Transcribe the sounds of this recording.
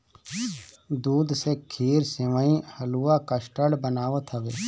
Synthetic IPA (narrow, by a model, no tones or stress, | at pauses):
d̪uːd̪seːkʰiːɾsɪʋaːĩhəluːaːkəsʈəɽbənaːʋət̪ʰɦəʋeː